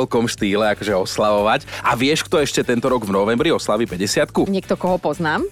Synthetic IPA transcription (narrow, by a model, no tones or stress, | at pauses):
lkɔmʃt̪iːlɛakɔʒɛɔslaʋɔʋacaʋɪɛʃkt̪ɔɛʃcɛt̪ɛnt̪ɔɾɔɡvnɔʋɛmbɾiɔslaʋiːpɛɟɛsɪat̪kuɲɪɛk̚t̪ɔkɔɦɔpɔznaːm